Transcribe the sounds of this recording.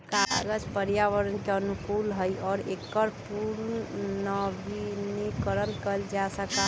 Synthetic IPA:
kaɡəd͡ʒpəɾjaʋəɾənkeənukulɦəjʔɔɾekːəɾpuɾnəbinikəɾənkəld͡ʒasəka

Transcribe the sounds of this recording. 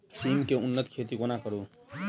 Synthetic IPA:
simkeunːʌt̪kʰet̪ikonakʌɾu

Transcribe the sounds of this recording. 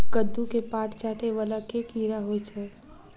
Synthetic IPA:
kəd̪ːukepaːʈt͡ʃaːʈeʋalakekiːɾaɦot͡ʃʰɛː

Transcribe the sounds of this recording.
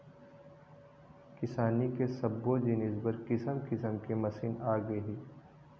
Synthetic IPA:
kɪsaːnikesɐbːod͡ʒinɪzbəɾkɪsəmkɪsəmkemɐsiːnaːɡɐɦiː

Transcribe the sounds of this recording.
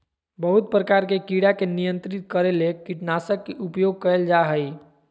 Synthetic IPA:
bəɦut̪̚pɾəkaɾkekiɽakenijənt̪ɾit̪̚kəɾelekiʈnasəkːeʔupjoɡ̚kəeld͡ʒaɦəj

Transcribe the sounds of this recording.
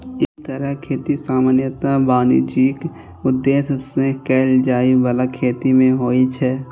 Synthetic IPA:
ɪst̪əɾəɦkʰeːt̪isaːmaːnjət̪abaːnḭd͡ʒiːk | ʊd̪ːeːssẽkɛːld͡ʒaːibəlakʰeːt̪imẽɦoːit͡ʃʰɛː

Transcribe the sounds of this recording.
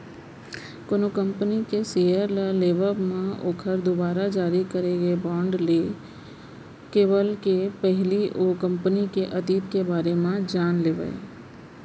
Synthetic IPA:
koːnokə̃mpənikeseːjəɾləleːʋəmãʔoːkʰəɾd̪obaːɾad͡ʒaːɾikəɾeɡebɔ̃ːɳɖleː | keːʋəlkepɛɦliʔokə̃mpənikeʔət̪iːt̪kebaːɾemãd͡ʒaːnleːʋə̰ḛ

